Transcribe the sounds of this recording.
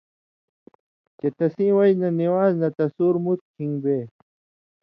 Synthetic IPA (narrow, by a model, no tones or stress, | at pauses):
t͡ɕet̪ɐsĩːwɐjnɐniwaːznɐt̪ɐsuːɾmut̪̚kʰĩŋɡbeː